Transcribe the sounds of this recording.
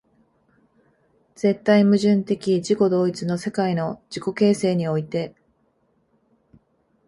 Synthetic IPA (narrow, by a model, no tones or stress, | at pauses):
z̥e̞t̪ːaimɯ̟ʑɨ̃nt̪e̞kʲid͡ʑiko̞d̪o̞ːit͡sɨno̞se̞kaino̞d͡ʑiko̞ke̞ːse̞ːɲ̟io̞it̪e̞